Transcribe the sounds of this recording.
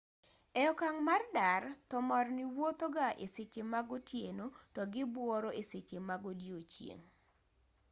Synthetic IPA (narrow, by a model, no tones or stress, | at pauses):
ɛɔkaŋmardart̪ɔmɔrniwot̪oɡaʔeset͡ʃemaɡɔtjenotɔɡɪbwɔɾoʔeset͡ʃemaɡodjot͡ʃjḛŋ